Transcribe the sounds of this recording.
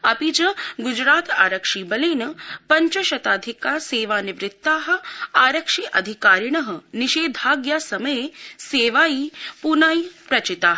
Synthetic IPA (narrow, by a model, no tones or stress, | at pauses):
ɐpid͡ʒɐɡʊd͡ʒɾaːt̪a̰ːɾɐkʂiːbɐleːnɐpɐɲt͡ʃɐʃɐt̪aːd̪ʱikaːseːʋaːniʋɾɪt̪ːaːɦɐ̆aːɾɐkʂiːʔɐd̪ʱikaːɾɳ̃ɐɦɐ̆niʃeːd̪ʱaːɡjaːsɐmɐjeseːʋaːjiːpunaːipɾɐt͡ʃɪt̪aːɦ